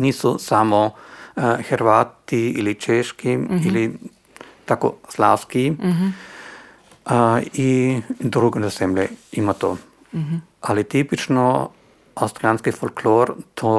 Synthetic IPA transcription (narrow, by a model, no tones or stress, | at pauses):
niːsɔsamɔ | xɛɾʋaːt̪iilit͡ʃeʃkiili | t̪ako̰slawski | id̪ɾuːɡɛnasɛmlɛimat̪oː | ʔalit̪iːpit͡ʃnɔ | awst̪ɾijanskifɔlkloːɾt̪ʰo